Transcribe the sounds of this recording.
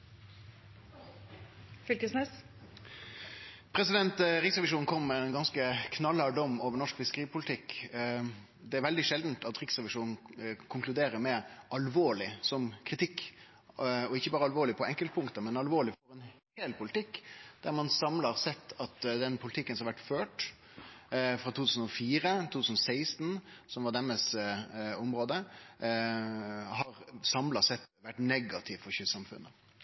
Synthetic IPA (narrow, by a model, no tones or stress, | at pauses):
fʏlkəsnɛs | pʰɾɛsɪd̪ɛnt̪ʁɪksʁɛʋɪʂuːnnkʰɔmmɛɛnɡɑnskəkʰnɑlːɑɖ̪ɔmːoːʋəɾnɔʂkfɪskəʁiːpʰʊlɪt̪ʰɪkː | d̪ɛæɾʋɛld̪ɪʂɛld̪n̩t̪ʰɑt̪ʁɪksʁɛʋɪʂuːnn̩kʰʊŋkʰlʉd̪eːɾəmɛʔɑlʋoːɭɪsɔmkʰɾɪt̪ʰɪkː | ɔɪçːəbɑːɾəɑlʋoːɾɭɪpʰɔɛŋkəlt̪̚pʰʊŋkt̪əmɛnɑlʋoːɭɪfɔɾɛnheːlpʰʊlɪt̪ʰɪkːd̪æɾmɑnsɑmlɑʁsɛt̪ʰːɑt̪d̪ɛnpʰʊlɪt̪ʰɪkːənsɔɑɾʋæʈːføːʈ | fɾɑt̪uːt̪ʰʉːsən̩ɔfiːɾət̪ʰuːt̪ʉːsnɔsæɪst̪n̩ | sɔmʋɑɖ̪ɛməs | ʊmɾoːd̪ə | hɑʁsɑmlɑsɛt̪ːʋæʈːnɛɡɑt̪ʰɪʋfɔɾçʏsɑmfʉ̰nːə